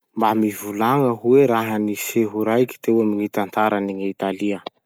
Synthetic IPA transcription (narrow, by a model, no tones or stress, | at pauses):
mbamivulaŋəɦueɾaɦəniseɦuɾajki̥t̪eamiŋit̪ant̪aɾəniŋit̪aliə